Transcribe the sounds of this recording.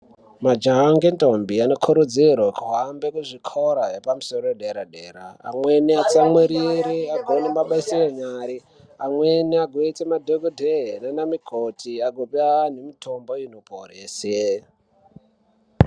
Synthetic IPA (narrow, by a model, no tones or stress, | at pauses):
mad͡ʒaŋɡentʼombiano̞kʰuɾud͡zirwakuɦambekuʐikʰoɾajepamusoɾoeɗeɾaɗeːɾa̰a̰mweniat͡samweɾiɾiaɡʱonemaɓaisejeɲaːɾi | amweniaɡʱoit͡semadʱoɡodʱenanamikʰotʰiaɡʱopianemitʰomboinopʰoreːse